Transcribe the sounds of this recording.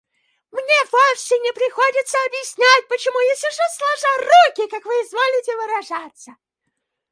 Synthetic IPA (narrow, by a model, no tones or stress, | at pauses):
mnʲevofsʲɪnʲɪpɾʲɪxodʲɪt̪səɐbjɪsʲnʲæt̚ʲpət͡ɕɪmujasʲɪʂoslˠɐʐarukʲɪkakvɨɪzvolʲɪtʲɪvɨɾɐʐat̪sə